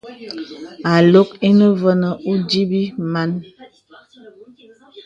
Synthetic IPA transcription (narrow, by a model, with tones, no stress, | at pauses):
a˨lo˦ki˦nə˦və˦nə˨u˦di˦bi˦ma˦n